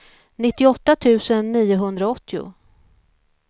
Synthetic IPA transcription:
nɪt̪ːɪɔt̪ːat̪ʰʉ̟ːsənːiːʊɦɵnd̪ɾaɔt̪ʰːɪʊ̰

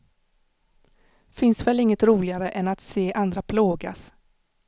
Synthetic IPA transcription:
fɪnsvɛlɪŋːət̪ɾuːlɪɡaɾəʔɛnat̪seːʔand̪ɾapʰloːɡa̰s

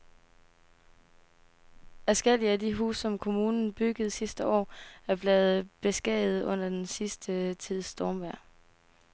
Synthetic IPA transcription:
æsɡ̥el̰iædiɦṵːsɒ̽mkʰo̝muːnn̩b̥yɡ̥əð̞̩ˠsisd̥əʔɒ̰ːæɐb̥leːð̩ˠb̥e̝sɡ̥ɛ̰ːð̩ˠɔ̽n̰ɐd̥ensisd̥ət͡sʰið̰ˠsd̥ɒːmʋæɐ̰

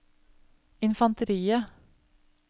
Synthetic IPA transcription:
ɪnfɑnt̪əɾiːə

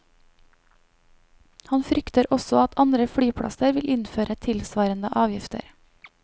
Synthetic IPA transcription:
hɑnfɾʏkt̪əɾɔsɔɑt̪ʰɑnd̪ɾəfɽyːpʰɽɑ̰səɾʋɪlʔɪnføːɾət̪ʰɪlsʋɑːɾənd̪əʔɑːʋjɪft̪ʰə̰ɾ

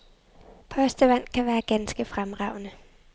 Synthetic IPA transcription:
pʰɒ̽sd̥əʋæn̰kʰæʋæːɐɡ̥ænsɡ̥əfʁamʁɑ̈ʊ̰nə

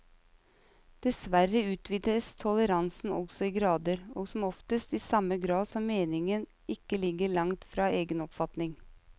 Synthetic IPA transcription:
d̪̥ɛsʋæɾəʉːt̪ʋiːd̪əst̪ʰɔləɾɑnsn̩ɔ̰ɡsɔiːɡɾɑːd̪əɾoːɡsɔmɔft̪əst̪iːsɑməɡɾɑːd̪sɔmːeːnɪŋən | ɪkːəlɪɡəɭɑŋt̪fɾɑːʔeːɡənɔpfɑt̪nɪŋ

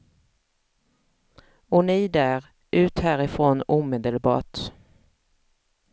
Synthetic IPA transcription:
ʊnɪːd̪æːʁ | ʔʉ̟ːt̪hæːɾɪfʁoːnuːmeːd̪əlbɑ̰ːʈ

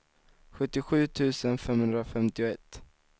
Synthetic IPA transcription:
ɧɵt̪ːɪɧʉ̟ːt̪ʰʉ̟ːsənfɛmhɵnd̪ɾafɛmt̪ɪʊɛt̪ː

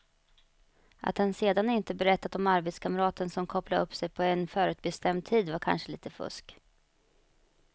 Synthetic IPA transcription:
ʔa̰t̪hanseːd̪anɪnt̪əbɛɾɛt̪ːat̪ɔmaɾbeːt̪skʰaməɾɑːt̪ənsɔmkʰɔplaɵpːsɛjpʰɔɛnfœːɾʉ̟ːt̪̚bɛst̪ɛmd̪̚t̪ʰiːd̪vaɾkʰa̰nʂəliːt̪əfɵ̰ʂk

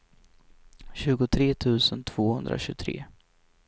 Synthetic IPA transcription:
ɕʉ̟ːɡʊt̪ʰɾeːt̪ʰʉ̟ːsənt̪ʰv̥oːhɵnd̪ɾa̰ɕʉt̪ʰɾḛː

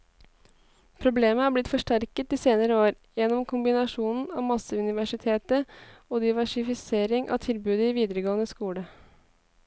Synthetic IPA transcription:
pʰɾʊbleːməhæblɪt̪fɔʂʈæɾkət̪iːseːnəɾəoːɾ | jɛnːɔmkʰʊmbɪnɑʂuːnn̩ɑːʋmɑsəʉnɪʋæʂɪt̪ʰeːt̪əoːd̪ɪʋæʂɪfɪseːɾɪŋʔɑ̰ːʋt̪ʰɪlbʉːd̪əiːʋiːd̪əɾəɡoːənəskuːɽə

